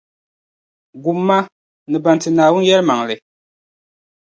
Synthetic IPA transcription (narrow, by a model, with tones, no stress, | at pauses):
ɡu˨mːa˦ | nɨ˨ba˨ntɨ˨naː˨wʊ˦n˦jɛ˦ɾma˨ŋlɨ˨